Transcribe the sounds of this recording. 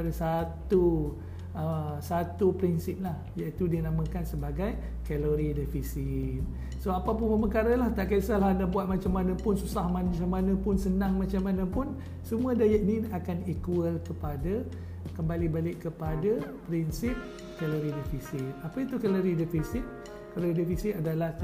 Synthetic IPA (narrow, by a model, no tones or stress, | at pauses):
adasat̪u | əsat̪upɾinsip̚lahjait̪udinamə̃kansəbaɡaj | kɛloɾidifisit̪̚ | soapapʊnməməkaɾalaht̪aʔkasalahndabuat̪̚mat͡ʃamːanə̃pʊnsusahmant͡ʃamːanə̃pʊnsənaŋmat͡ʃamanə̃pʊn | səmũədajəʔ̚niakanikuəlkəpada | kəmbalibalɪʔkːəpadapɾinsip̚ | kɛloɾidifisit̪̚apəit̪ukɛloɾidɛfisit̪̚ | kaloɾidɛfisit̪adalah